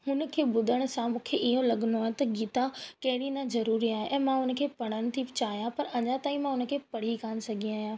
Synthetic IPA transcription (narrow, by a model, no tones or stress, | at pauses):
hʊnə̆kʰeːbʊd̪ʱəɽ̃ʊ̆sãmũːkʰeʔiɦõlɐɠənoaːɦẽt̪ɐɡiːt̪akɐɦɪɽ̃inãzɐɾuːɾiaːɦeʔɛ̃ːmãɦʊnə̆kʰeːpɐɽ̃əñɪ̆t̪ʰiɪt͡ɕaːɦijãpɐɾɐɲãt̪aːĩmãʊnə̆kʰeːpɐɽ̤ikaːñɪsɐɡʱiaːɦijãː